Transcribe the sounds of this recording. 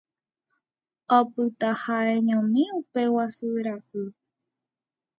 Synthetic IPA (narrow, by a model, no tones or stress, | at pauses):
opɨt̪ahaeɲõmĩupewasɨɾakɨ